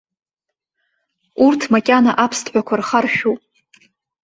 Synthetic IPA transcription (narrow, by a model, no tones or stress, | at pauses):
urtʰmakʲʼanaʔapʰstʰʼħʷᶣakʷʰarχarʃᶣupʼ